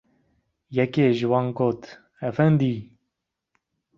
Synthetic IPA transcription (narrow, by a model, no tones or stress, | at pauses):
jɛkeːʒɨwɑːnɡoːt̪ | ɛfɛnd̪iː